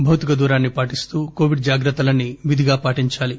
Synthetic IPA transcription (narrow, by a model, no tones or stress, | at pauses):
bʱɐwt̪ikɐd̪uːɾaːnːipaːʈist̪uːko̞ːʋiɖ̚d͡ʒaːɡɾɐt̪ːɐlɐnːiʋid̪ʱiɡaːpaːʈiɲt͡ʃaːli